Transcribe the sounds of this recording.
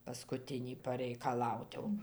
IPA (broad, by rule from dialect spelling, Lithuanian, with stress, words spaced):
pɐskʊˈtʲɪnʲiː pɐrʲɛɪkɐˈlˠɐʊt jɛʊ ɪr ˈtʲiɛ jɛʊ